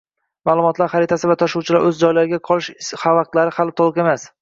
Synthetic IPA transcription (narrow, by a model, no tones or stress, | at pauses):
maːlˠʊmɒt̪laɾχaɾɪt̪ʰasɪvat̪ʰaʃuwt͡ʃʰɪlaɾʔɵzd͡ʒɒjlaɾɪɡʲaqʰɒlˠɪʃhavɑq̚t̪laɾɪχalɪt̪ʰolˠɨqe̞mas